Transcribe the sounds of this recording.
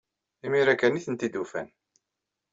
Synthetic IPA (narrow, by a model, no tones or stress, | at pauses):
imiɾækːæniθənt̪id̪ufæ̰n